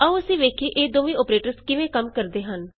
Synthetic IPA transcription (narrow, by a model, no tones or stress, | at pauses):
əũːəsĩːʋeːkʰeːʔeːd̪oːʋĩːoːpɾeːʈəɾskɪʋẽːkəmkəɾd̪eːɦən